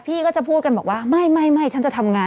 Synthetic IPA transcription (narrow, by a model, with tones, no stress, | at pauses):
pʰiː˥˩kɔː˥˩t͡ɕa˨˩pʰuː˥˩t̪̚ka˧nbɔː˨˩k̚waː˥˩ma˥˩jma˥˩jma˥˩jt͡ɕʰa˦˥nt͡ɕa˨˩t̪ʰa˧mŋaː˧